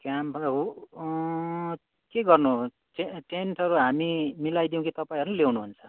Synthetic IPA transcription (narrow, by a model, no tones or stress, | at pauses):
kjampʰʌɦu | keɡʌrnu | ʈeʈenʈʌɾuɦamimilajd̪iw̃kit̪ʌpaĩɦʌɾnulewnuɦunt͡sʰʌ̥